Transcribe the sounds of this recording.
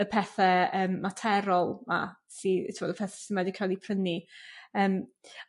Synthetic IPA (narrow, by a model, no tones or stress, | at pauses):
əpʰɛθɛəːmːatʰɛɾɔlˠma̰ | siɪvɔdəpʰɛːθɛ̥sinwɛdɪkʰajlˠipʰrəniəːm